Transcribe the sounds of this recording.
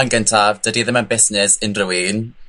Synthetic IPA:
nɡəntʰavd̥ədiðɪmanbɪsnɪsɪnrʊwiːn

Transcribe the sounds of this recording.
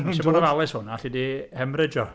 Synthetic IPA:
ɛɔdɔvalˠɛshʊnaɬidihɛmrɪd͡ʒɔ

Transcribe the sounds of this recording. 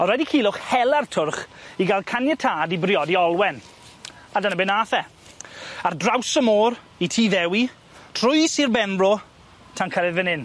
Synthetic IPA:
ɔɾɛdikʰiːlˠʊχhɛlˠartʰʊrχiɡalˠkʰanjɛtʰaːdibrɪɔdiɔlˠwɛn | adanəbɛnaːθɛ | ardrawsəmoːɾ | itʰiːðɛwi | tʰr̥ʊjsirbɛnbrɔ | tʰankʰəɾɛðvɪnɪn

